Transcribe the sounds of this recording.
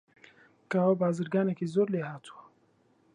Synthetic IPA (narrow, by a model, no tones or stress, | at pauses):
kaːwɐbaːzɨɾɡaːnekizoːɾleːhaːt̪ʰu̥wɐ